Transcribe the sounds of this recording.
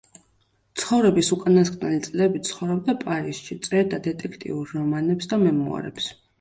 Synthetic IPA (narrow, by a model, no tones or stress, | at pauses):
t̪sʰχɔvɾɛbisukʼanask̪ʼnɛlit̪sʼlɛbit̪sʰχɔvɾɔb̚d̪apʼaɾisʃit̪sʼɛɾd̪ad̪ɛt̪ʼɛkʰt̪ʼḭuɾːɔmanɛpsd̪amɛmua̰ɾɛ̰ps